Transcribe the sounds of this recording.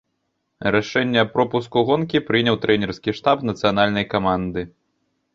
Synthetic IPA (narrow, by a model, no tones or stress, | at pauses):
ɾaʂɛnʲːɛpɾɔpuskuɣɔnkʲipɾɨnʲɐwt̪ɾɛnʲɛrskʲiʂt̪apnɐt̪sɨjanalʲnɐjkamand̪ɨ